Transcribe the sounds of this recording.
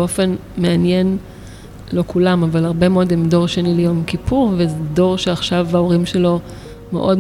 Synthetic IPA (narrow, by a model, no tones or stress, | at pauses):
o̞fe̞nmeanjen | lo̞kulamavalaʁbe̞meo̞dimdo̞ʁʃenilejo̞mkipuʁvezedo̞ʁʃeaχʃavaoʁimʃelo̞ | mḛʔo̞d